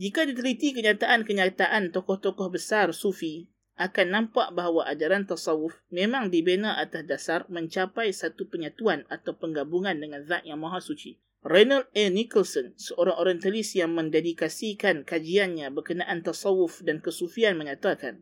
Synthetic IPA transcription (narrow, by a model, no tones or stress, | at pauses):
d͡ʒikadit̪əlit̪ikəɲat̪aʔankəɲat̪aʔant̪ɔkɔht̪ɔkɔhbəsarsufi | ʔakanːãmpaʔbaɦwaʔad͡ʒaɾant̪asɑwʊfmẽmãŋdibenaʔat̪asdasarmə̃ɲt͡ʃapajsat̪upəɲat̪uanat̪awpəŋɡabuŋãndəŋãnðaʔjaŋmaɦasut͡ʃi | rajnalɛnikəlsɔnsəʔoɾaŋoɾjɛnt̪alisjaŋmə̃ndedikasikankad͡ʒianɲãbərkənaʔant̪asɑwʊfdankəsufianməɲat̪aka̰n